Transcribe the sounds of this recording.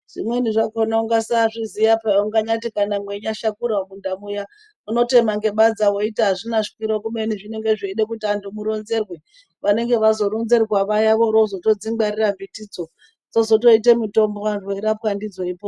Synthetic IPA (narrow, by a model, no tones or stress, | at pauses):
ʐ̥imweniʐakonauŋɡasaʐizijapauŋɡaɲatikanamwe̞ɲaʃakuɾauɓundamuja | uno̞te̞maŋɡe̞ɓad͡zawo̞itaɦaʐinaʂi̥kiɾokumeniʐine̞ŋɡe̞ʐeiɗekutiantumuɾo̞nze̞rwe̞ | ʋane̞ŋɡe̞ʋazo̞ɾonze̞rwaʋajaʋo̞ɾozo̞to̞d͡zimbarirambitid͡zo̞ | d͡zozo̞to̞it̬e̞muto̞mbo̞wantweiɾapkandid͡zo̞ipo